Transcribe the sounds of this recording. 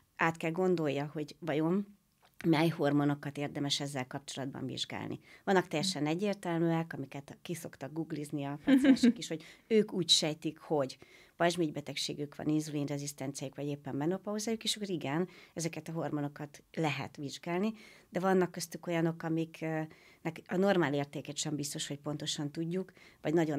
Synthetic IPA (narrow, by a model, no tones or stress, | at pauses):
aːt̪kɛlɡo̞nd̪o̞jːɒho̞ɟvɒjo̞m | mɛjho̞rmo̞no̞kɒt̪eːrd̪ɛmɛʃɛzːɛlkɒp̚t͡ʃo̞lɒd̪bɒ̰ɱvḭʒɡa̰ːlnʔḭvɒnːɒk̚t̪ɛjːɛʃɛnɛɟːeːrt̪ɛlmyːɛkɒmikɛt̪kiso̞kt̪ɒɡɡuɡlizniɒpasaːʃokiʃho̞ɟøːkuːcʃɛjt̪ikho̞ɟ | pɒʒmiɟbɛt̪ɛkʃḛːɡykʋɒ̰ninzuliːnrɛzist̪ɛnt̪sijajukʋɒɟeːpːɛmbɛnopɒɦozaːjukeːʃɒkːoɾiɡɛnɛzɛkɛt̪ɒɦo̞rmo̞no̞kɒt̪lɛɦɛ̰t̪ʋiʒɡaːlnid̪ɛvɒnːɒkːøst̪yko̞jɒno̞kɒmik | nɛkɒno̞rmaːleːrt̪eːkɛʃɛmbist̪o̞ʃho̞c̚po̞nt̪o̞ʃɒnt̪uɟːukvɒɟnɒɟo̞n